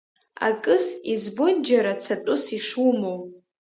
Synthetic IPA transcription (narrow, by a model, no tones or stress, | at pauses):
a̰kʼɨsizbond͡ʒaɾat͡sʰatʼʊsiʂumow